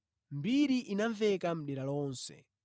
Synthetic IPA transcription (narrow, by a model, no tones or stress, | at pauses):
mbiɾiʔinaɱvɛkam̩ɗɛɾalɔːnsɛ̰